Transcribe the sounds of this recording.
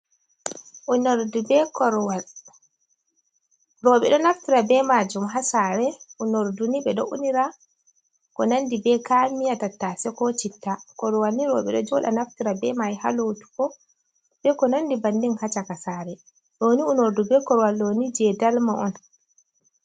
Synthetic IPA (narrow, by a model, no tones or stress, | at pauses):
ʔunɔɾdubɛkɔɾwal | ɾɔːɓɛɗɔnaftiɾabɛmad͡ʒumɦasaːɾɛʔunoɾduniɓɛɗɔ̰ʔuniɾa | kɔnandibɛkaːmijatatːasɛkɔt͡ʃitːakɔɾɔwalːiɾɔ̰ːɓɛ̰ɗɔ̰d͡ʒɔɗa̰naftiɾabɛmajha̰lotu̥kɔ | bɛkɔnandibandinhat͡ʃakasaːɾɛ | ɗoːniunoɾdubɛkɔɾwalɗonid͡ʒɛdalmaʔɔn